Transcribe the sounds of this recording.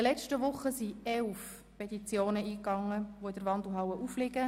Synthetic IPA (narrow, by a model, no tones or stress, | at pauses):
ɪəlɛt͡ʃtəʋʊχəsiɛlf | pɛt̪it͡sjoːnəiːkɑŋːəʋoɪdəɾʋɑndl̩ɦawəʔuflɪɡə